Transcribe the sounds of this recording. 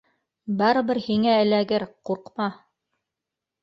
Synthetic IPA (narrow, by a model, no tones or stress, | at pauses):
bɑɾɤ̆βɘɾhiŋæɘ̆læɡɘɾquɾqmɑ